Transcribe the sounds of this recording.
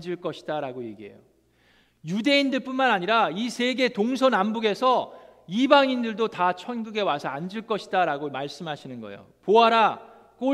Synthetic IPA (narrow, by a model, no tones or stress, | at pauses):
d͡ʑiɭk͈ʌɕʰi̥daɾaɡoje̞̰ɡiɦe̞̰jo̰ | jude̞indɯɭp͈unmanaɲiɾaisʰe̞ɡe̞toŋsʰʌnambuɡe̞sʰʌibaŋindɯɭdotat͡ɕʰʌnɡɯɡe̞wasʰʌand͡ʑiɭk͈ʌɕʰidaɾaɡomaɭs͈ɯmɦaɕʰinɯnɡʌ̰ḛjo̰poɦaɾa | k͈o